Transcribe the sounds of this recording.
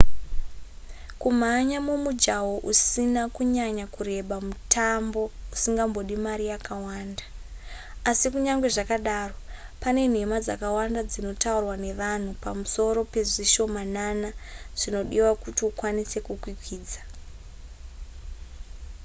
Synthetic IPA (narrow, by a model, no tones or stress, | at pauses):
kum̤aɲamumud͡ʒawoʔusinakuɲaɲakure̞ɓamutʰambo̞usiŋɡambo̞ɗimaɾijakawaːnda | asikuɲaŋɡwe̞ʐakaɗaro̞ | pane̞n̤e̞mad͡zakawandad͡zino̞taurwane̞ʋan̤upamuso̞ɾo̞pe̞ʐiʃo̞mananaʐ̥ino̞ɗiwakutiukwanise̞kukwikwiːd͡zḁ